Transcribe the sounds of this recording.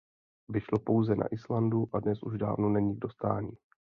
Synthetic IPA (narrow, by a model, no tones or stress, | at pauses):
vɪʃlopo̞wzɛnʔa̰ʔɪslanduʔadnɛsʔuʒda̰ːvnonɛɲiɪɡ̚dost̪aːɲiː